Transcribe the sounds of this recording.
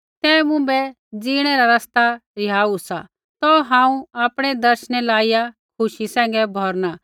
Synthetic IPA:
t̪ɛːmʊ̃bɛ | d͡ziːɽ̃ɛɾaɾɐst̪aɾɪjaːusa̰ | t̪ɔɦãːũaːpɽ̃ɛd̪ɐɾʃñɛlaːijakʰʊʃisɛ̃ːŋ̆ɡɛbʱɔɾna

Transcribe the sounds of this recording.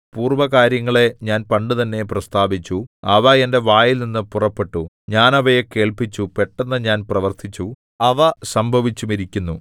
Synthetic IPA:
puːrʋɐkaːɾjɐŋːɐɭe̞ɲaːnpɐɳɖɨt̪ɐnːe̞prɐst̪aːʋit͡ɕːuɐʋɐende̞ʋaːjilninːɨpurɐpːe̞ʈːu | ɲaːnɐʋɐjeke̞ːɭpit͡ɕːupe̞ʈːenːɐɲaːnprɐʋɐrt̪ʰit͡ɕːu | ɐʋɐsɐmbʱɐʋit͡ɕːumiɾikʲːunːu

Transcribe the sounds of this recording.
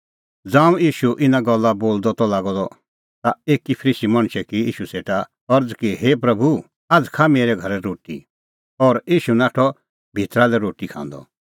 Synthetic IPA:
d͡zãːũjiːʃuʔɪnaɡɔlːaboːld̪ɔt̪ɔlaːɡɔd̪ɔ | t̪aeːkipʰəɾiːsimɐ̃ɽ̃t͡ʃʰɛkiiːʃuseːʈa | ɔɾd͡zkiɦeːpɾɐbʱu | ad͡zkʰameːɾɛɡʱɐɾɛɾoːʈḭ | ɔːɾiːʃunaːʈʰɔ | bʱit̪ɾalɛɾoːʈikʰã̰ːnd̪ɔ̰

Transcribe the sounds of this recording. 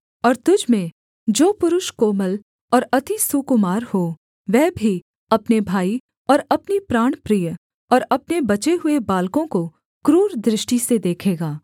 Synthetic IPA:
ɔːɾt̪ʊd͡ʒmẽ | d͡ʒoːpʊɾʊʃkoːməl | ɔːɾɐt̪isʊkʊmaːɾho | ʋɛːbʱi | ɐpnebʱaːi | ɔːɾɐpnipɾaːɽ̃pɾij | ɔːɾɐpnebɐt͡ʃeɦʊebaːlkõko | kɾuːɾd̪ɾɪʃʈised̪eːkʰeːɡaː

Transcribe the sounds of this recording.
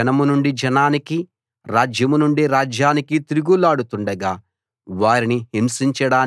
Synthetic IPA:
ɐnɐmunuɳɖid͡ʒɐnaːniki | ɾaːd͡ʒjɐmunuɳɖiɾaːd͡ʒjaːnikit̪iɾuɡulaːɽut̪uɳɖɐɡaː | ʋaːɾinihimsiɲt͡ʃɐɽaːn

